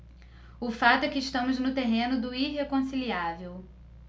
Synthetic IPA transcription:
ʊfat̪ʊɛkɪːʃt̪ɐ̃mʊznʊt̪eɦẽnʊd̪ʊiɦekõsiliavew

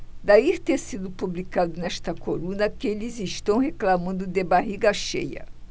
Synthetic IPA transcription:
d̪aiɾt̪eɾsid̪ʊpublikad̪ʊnɛst̪ɐkoɾũnɐkelɪziʃt̪ɐ̃w̃ɦeklamɐ̃nd̪ʊd̪ebaɦiɡɐʃḛjɐ̰

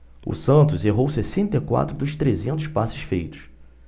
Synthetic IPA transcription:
ʊ̰sɐ̃nt̪ʊzeɦowsesẽnt̪ekwa̰t̪ɾʊd̪ʊʃt̪ɾezẽnt̪ʊspasɪ̥sfejt̪ʊ̥s

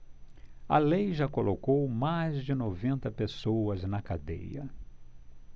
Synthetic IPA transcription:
ɐlejʒakolʔokowmajzd͡ʒɪnovẽnt̪ɐpesoɐznɐkad̪ḛjɐ̰

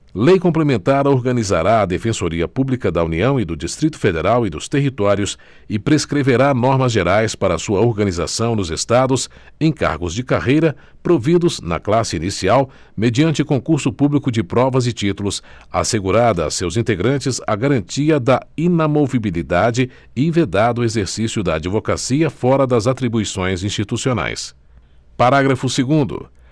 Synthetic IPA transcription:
lejkõplemẽnt̪aɾɐoɾɡɐniza̰ɾaɐd̪efẽsoɾiɐpublikɐd̪ɐuniɐ̃w̃ɪd̪ʊd͡ʒist̪ɾit̪ʊ̥fed̪eɾawɪd̪ʊst̪eɦit̪ɔɾjʊs | ɪpɾeskɾeveɾanɔɾmɐzʒeɾajspaɾɐːsuɐoɾɡɐniza̰sɐ̃w̃nd̪ʊzest̪ad̪ʊs | ẽj̃ka̰ɾɡʊzd͡ʒɪkaʁejɾɐ | pɾovid̪ʊznɐ̰klasɪinisiaw | med͡ʒiɐ̃nt͡ʃɪkõkuɾsʊpublikʊd͡ʒɪpɾɔvɐzɪt͡ʃit̪ulʊsa̰seɡuɾad̪ɐa̰sewzĩnt̪eɡɾɐ̃nt͡ʃɪzɐɡaɾɐ̃nt͡ʃiɐd̪ɐinamovibilid̪ad͡ʒɪ | ɪved̪ad̪ʊezeɾsisjʊd̪ɐːd͡ʒivokasiɐfɔɾɐd̪ɐzat̪ɾibuisõj̃zĩst͡ʃit̪usiona̰js | paɾaɡɾɐfʊseɡũnd̪ʊ̰

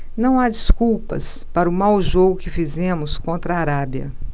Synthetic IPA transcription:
nɐ̃w̃ad͡ʒiskuwpɐ̰spaɾʊmawʒoɡʊkɪfizẽmʊskõnt̪ɾɐːɾabjɐ̰

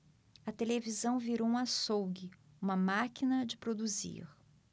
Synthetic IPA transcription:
ɐt̪elevizɐ̃w̃viɾowũɐsowɡɪ | ũmɐmakinɐd͡ʒɪpɾod̪uzḭɾ

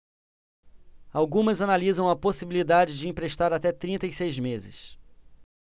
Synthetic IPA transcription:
awɡũmɐzanalizɐ̃w̃ɐposibilid̪ad͡ʒɪd͡ʒɪĩmpɾeʃt̪aɾat̪ɛt̪ɾĩnt̪ɐisejzmezɪ̰s

